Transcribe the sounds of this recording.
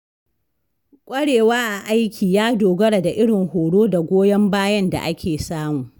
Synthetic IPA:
kʷʼɐ˦ɽeː˨waː˦ʔa˨ʔa˦jkʲʰiː˨jaː˦doː˨ɡɐ˦ɽa˨da˨ʔɪ˦ɽɪ˨ŋhoː˨ɽoː˦da˨ɡʷoː˦jɐ˦mbaː˦jɐ˦nda̰˨ʔa˦kʲʰeː˨saː˦mu˨

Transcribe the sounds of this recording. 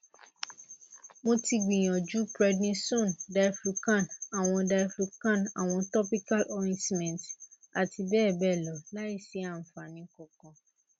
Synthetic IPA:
mo˧ti˧ɡ͡bĩ˨j̃ɔ̃˨d͡ʒu˨˦bɾɛ˧dnĩ˧sõ˦˨nda˧jflu˧kã˦˨na˨w̃ɔ̃˧da˧i˦flu˧kã˦˨na˨w̃ɔ̃˧tɔ˦pi˦ka˦lʔɔ˧ɾĩ˦si˦mɛ̃˨nt | a˨ti˧bɛː˦˨bɛ˦˨lɔ˨la˦i˦˨si˨˦a˦˨m̩˨fa˨nĩ˨˧kɔ˨kɔ̃˨

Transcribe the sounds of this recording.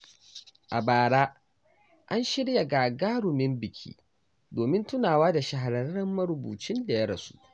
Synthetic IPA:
ʔa˨baː˨ɽaː˦ | ʔa˦nʃɪ˦ɽja˨ɡaː˨ɡaː˦ɽʊ˨mɪ˦mbɪ˨kʲʰḭː˦ | doː˨mɪ˦ntʊ˦naː˨waː˦da˨ʃɐ˨ɦa˨ɾɐ˨ɾːɐ˦mːɐ˦ɾʊ˨bṵː˨t͡ʃɪ˦nda˨jɐ˦ɽɐ˨su̥̰˦ʔ

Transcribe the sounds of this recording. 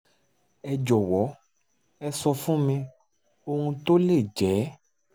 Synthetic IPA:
ɛ˧d͡ʒɔ˨wɔ˨˦ | ɛ˧sɔ˧fũ˦mĩ˧ | o˧ŋũ˧t̪o˦le˦˨d͡ʒɛ˨˦

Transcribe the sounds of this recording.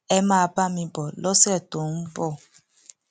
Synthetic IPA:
ɛ˧mãː˦˧ba˦mĩ˧bɔ˨lɔ˦sɛ˦˨to˨n̩˦bɔ˦˨

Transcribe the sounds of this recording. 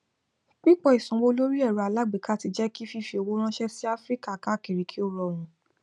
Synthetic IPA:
k͡pi˦k͡pɔ˧˨i˨sũ˨˧wo˧˦lo˦ɾi˦ɛ˦˨ɾu˨a˨la˨˦ɡ͡be˨ka˦˨ti˧d͡ʒɛ˦ki˦fi˦fi˧o˧wo˦ɾ̃ã˦ʃɛ˦si˦a˦fɾi˦ka˦˨ka˦˨ki˨ɾi˨˧kʰi˦o˦˨ɾɔ˨ɾ̃ũ˨˦

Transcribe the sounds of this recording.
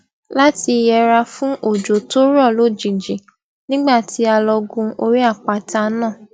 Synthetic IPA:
la˦ti˧jɛ˧ɾa˧fũ˦ʔo˦˨d͡ʒo˨to˦ɾɔ˦˨lo˦˨d͡ʒi˨d͡ʒi˨ | nĩ˦ɡ͡ba˦˨tʰi˧˦a˧lɔ˧ɡũ˧o˧ɾi˦a˦˨k͡pa˨ta˧nãː˦˨

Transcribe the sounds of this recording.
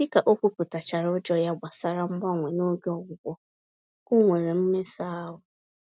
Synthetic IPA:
i˦ka˨ʔo˦kʷu˦ku˨ta˨t͡ʃa˨ɾʊ˦d͡ʒɔ˦ja˦ɡ͡ba˨sa˦ɾa˦m̩˦ɡ͡ba˦˨ŋʷɛ˨no˦ɡɔ˨wʷʊ˨ɡʷɔ˦ | o˦ŋʷe˨ɾe˨m̩˦me˦saː˦ɦʊ˨

